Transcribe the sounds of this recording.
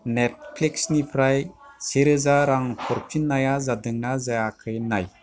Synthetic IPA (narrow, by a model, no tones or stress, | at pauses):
nɛt̚pʰliksnipʰɾajseɾɯzaɾaŋkʰɔɾpʰinːajazadɯŋnazajakʰɯjnaj